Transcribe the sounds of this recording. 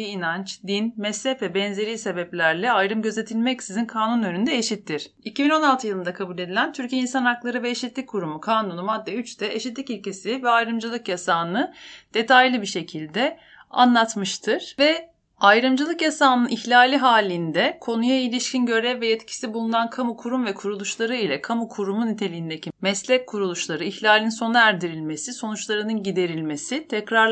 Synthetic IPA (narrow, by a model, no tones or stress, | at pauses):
iinant͡ʃd̪inmɛsɛfvɛbɛnze̞ɾiːse̞bɛplʲæɾlʲɛajɾɯmɟøze̞t̪ʰilʲmɛcsizinkʰaːnunø̞nynd̪ɛeʃit̪lːiɾ̝̥ | icibino̞nalˠt̪ʰɯjɯlˠɯnd̪akʰabuːlʲe̞d̪ilʲænt̪ʰyɾcijeinsanaklˠaɾɯvɛːʃit̪lʲic̚ʲkʰːuɾumukʰaːnunumad̪ːɛyt͡ʃt̪ʰɛeʃit̪̬lʲicilʲce̞sivɛajɾɯmd͡ʒɯlˠɯkjasaːnɯd̪̥e̞t̪ʰajlʲˠibiʃe̞cʰilʲd̪ɛ | a̰nlˠat̪mɯʃt̪ʰɯɾ̥vɛ | ajɾɯmd͡ʒɯlˠɯkjasaːnɯniçlʲaːlʲiɦaːlʲind̪ɛkʰo̞nujailʲiʃcʰinɟø̞ɾɛvːɛjɛt̪cʰi̥sibulˠunankʰamukʰuɾumvɛkʰuɾulˠuʃlˠaɾɯilʲɛkʰamukʰuɾumunit̪ʰe̞lʲijind̪e̞cʰimɛslʲɛc̚kʰːuɾulˠuʃlˠaɾɯiçlʲaːlʲinso̞nɯæɾd̪iɾilʲme̞siso̞nut͡ʃlˠaɾɯnɯnɟid̪e̞ɾilʲme̞sit̪ʰɛcɾaɾ